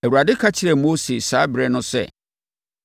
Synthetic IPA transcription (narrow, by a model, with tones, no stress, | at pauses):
æ˨wu˨ɾa˨dɪ˦kʰa˦t͡ɕʰɪ˨ɾɛ˨mo˦se˨saː˦bɪ˨ɾɛ˦nʊ̃˦sɛ̰˦˨